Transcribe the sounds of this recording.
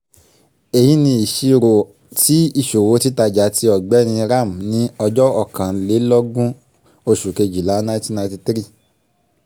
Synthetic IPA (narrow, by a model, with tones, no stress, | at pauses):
e˨ji˨˦nĩ˧i˨ʃi˧ɾo˨ | ti˦i˧˨ʃo˨wo˨˦ti˦ta˧d͡ʒa˨˦tʰi˧ɔ˨ɡ͡bɛ˨˦nĩ˧ɾa˦˨m̩˨nĩ˨˦ɔ˧d͡ʒɔ˦ɔ˦˨kã˨˦le˨˦lɔ˦ɡũ˦ | o˧ʃu˨ke˧d͡ʒi˨la˨˦nã˦ti˦˨nã˧˦ti˧tɾi˦˨